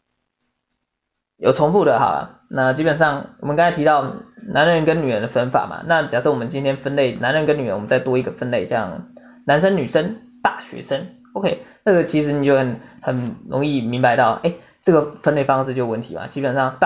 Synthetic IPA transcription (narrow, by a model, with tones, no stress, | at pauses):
jo˨˩ʊt͡sʰo˧˥ŋfu˥˩d̪ə˩xɑ̰˨˩˨ | na˥˨t͡ɕi˥pə˨˩nʂɑ˥˩ŋwɔ˨˩mə˦nkɑ˥ŋt͡sʰa˥˩t̪ʰi˧t̪ɑ˥˩ʊnʔa˧˥nɻə˧nkə˦ny˨˩ɻə˧˦d̪ə˧˩fə˥nfa̰˨˩ma̰˩na˥˨t͡ɕjɑ˨˩ʂo˥˩ʊwɔ˨˩ə˦nt͡ɕi˥nt̪ʰjɛ˥nfə˥nle˥˩ɪna˧˥nɻə˧˥nkə˦ny˨˩ə̰˦wmə˦nt͡sɪt̪wɔ˥i˧˥ɡə˨fə˥˧nle˥˨˩ɪt͡ɕjɑ̰˥˩ŋ | na˧˥nʂə˥nny˨˩ʂə˦n | t̪a˥˨˩ɕɥɛ̰˧˥ʂə˥n | o˧ʊkʰe˥ɪnɤ˥˩ɡə˨˩t͡ɕʰi˧˥ʂ̬ɻ̩˧˥ni˨˩t͡ɕjo˥˩ʊxə˨˩nxə˨˩nɻo̰˧˥ŋi˥˩mi˧˥ŋpa˧˥ɪt̪ɑ˥˩ʊʔe˥˩ɪ | ʈ͡ʂɤ˥˩ɡə˩fə˥nle˥˩ɪfɑ˥ŋʂɻ̩˥˧t͡ɕjo˥˧ʊwə˥˩nt̪ʰḭ˨˦ma̰˨˩t͡ɕi˥pə˨˩nʂɑ˥˨˩ŋt̪